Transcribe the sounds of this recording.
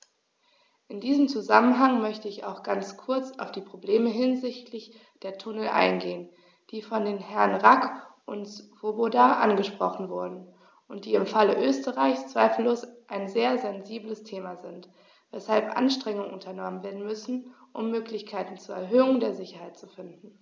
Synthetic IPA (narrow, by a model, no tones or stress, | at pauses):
ʔɪndiːzəm̩t͡suzamənɦaŋmœçtəɪça̰ʊxɡ̥ant͡skʰʊɐt͡sa̰ʊfd̥iːpʁ̥obleːməɦɪnzɪçtʰlɪç | d̥eːɐtʰʊnl̩ʔa̰ɪnɡeːən | d̥iːfɔndeːnhɛɐnʁakʔʊntvobodaʔa̰nɡəʃpʁ̥ɔ̰χn̩vʊɐdn̩ | ʔʊnt̚d̥iːɪmfaləʔøːstəʁaɪçst͡sv̥aɪfl̩loːsʔaɪnzeːɐzɛnziːbləstʰeːmazɪnt | vɛshalpʔa̰nʃtʁ̥ɛŋʊŋənʔʊntʰɐnɔmənveːɐdn̩mʏsn̩ʔʊ̰mːøːklɪçkʰaɪtn̩t͡suːɐɛɐɦøːʊŋdeːɐzɪçɐhaɪt̚t͡sufɪndn̩